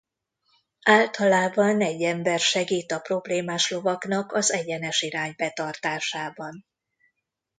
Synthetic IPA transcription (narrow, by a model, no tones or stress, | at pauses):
aːlt̪ɒlaːbɒnɛɟːɛmbɛrʃɛɡiːt̪ɒpro̞bleːmaːʃlo̞vɒknɒkɒzɛɟɛnɛʃiɾaːɲbɛt̪ɒrt̪aːʃaːbɒn